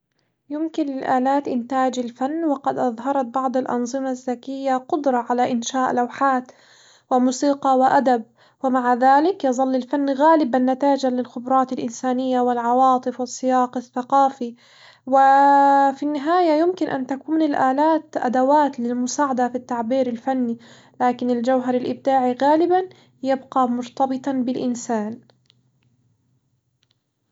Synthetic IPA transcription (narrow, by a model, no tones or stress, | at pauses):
jʊmkɪnlɪlʔaːlaːt̪ʔɪnt̪aːd͡ʒɪlfanːwɪqɑd̪ʔɑðˤɦɑɾˤɑt̪̚bɑʕd̪ˤɪlʔɑ̰nzˤɨmazːakɪjːaqʊd̪ɾˤɑʕalaʔɪnʃaːʔlawħaːt̪ | wɪmʊːsiːqɑwɪʔad̪ab̚ | wɪmaʕaðaːlɪkjɑðˤɑlːɪlfanːɣaːlɪbanːat̪aːd͡ʒalɪlxʊbɾˤɑːt̪alʔɪnsaːnɪjːawɪlʕɑwɑːt̪ˤɨfwɪsˤːɨjɑːqɪθːaqɑːfi | wɪfinːɪɦaːjajʊmkɪnʔa̰nt̪akuːnɪlʔaːlaːt̪ʔa̰d̪awaːt̪lɪlmʊsaːʕad̪afit̪ːaʕbiːɾɪlfanːi | laːkɪnɪld͡ʒawɦɑɾˤɪlʔɪb̚d̪aːʕiɣaːlɪban | jabqɑmʊɾt̪ɑbɨt̪ˤɑnbɪlʔɪnsaːn